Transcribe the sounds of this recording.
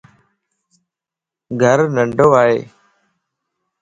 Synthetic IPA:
ɡʱəɾnəɳɖʱoːʋaːɦeː

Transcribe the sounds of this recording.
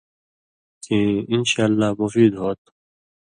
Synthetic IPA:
kiɪnʃaːlːaːmʊfiːd̪ɦoːt̪

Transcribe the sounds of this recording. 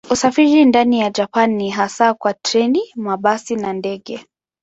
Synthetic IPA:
usafiɾindanijad͡ʒapanːiɦasakwatɾɛnimaɓasinandɛɠɛ

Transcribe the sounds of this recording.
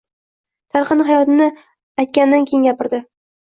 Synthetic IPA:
t̪ʰaɾqɨnɪɦajɒt̪ɪnɪ | ajt̪̚kʲand̪ankʲʰejɪŋɡʲapɪɾd̪ɪ

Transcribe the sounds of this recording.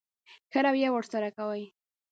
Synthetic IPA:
xəɾawjawəɾsaɾakawəj

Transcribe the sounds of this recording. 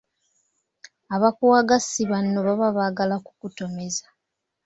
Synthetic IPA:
aβakuwaːɡasiβano̞βaβaβaɡalakukuto̞me̞zḁ

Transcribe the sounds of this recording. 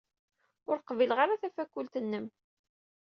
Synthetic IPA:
ʊɾqvilʁaɾaθæfækːult̪ənːəm

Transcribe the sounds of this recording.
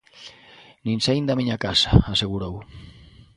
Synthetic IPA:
ninsajnd̪amiɲakasaaseɣuɾow

